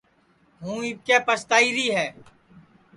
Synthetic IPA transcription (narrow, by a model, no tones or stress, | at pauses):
ɦũːɪkeːpəst̪aːiːɾiːɦɛː